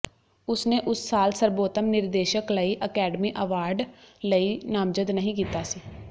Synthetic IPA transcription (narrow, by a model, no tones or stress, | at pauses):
ʊsnẽːʔʊsːaːlsəɾboːt̪əmnɪɾd̪eːʃəkləiːʔəkɛːɖəmiːʔəʋaːɾɖləiːnaːmd͡ʒəd̪nəɦĩːkiːt̪aːsiː